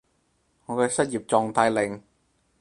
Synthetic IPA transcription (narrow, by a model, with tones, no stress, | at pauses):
ŋɔː˨˧kɛː˧sɐ˥t̚jiː˨˩p̚t͡sɔː˧ŋt̪aː˧jlɪ˨ŋ